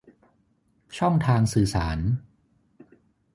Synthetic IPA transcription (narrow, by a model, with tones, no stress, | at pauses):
t͡ɕʰɔ˥˩ŋt̪ʰaː˧ŋsɯː˨˩saː˩˦n